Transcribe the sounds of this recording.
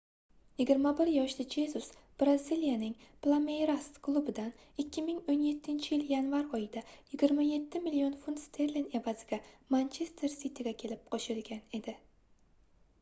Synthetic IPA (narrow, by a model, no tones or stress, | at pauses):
jɪɡʲɪɾmabɪɾjɒʃlɪd͡ʒe̞zusb̥ɾazilijanɪŋplˠamejɾast̪kʰlˠubɪd̪an | ɪkʲʰːɪmɪŋonje̞t̪ʰːɪnt͡ʃʰɪjɪljanvaɾɒjɪd̪ajɪɡʲɪɾmaje̞t̪ʰːɪmɪlio̞nfund̪t̪st̪ʰe̞ɾline̞vazɪɡʲamant͡ʃʰe̞st̪ʰe̞ɾsit̪ʰeɡʲakʲʰe̞lɪp̚qʰɒʃɪlɡʲane̞d̪ɪ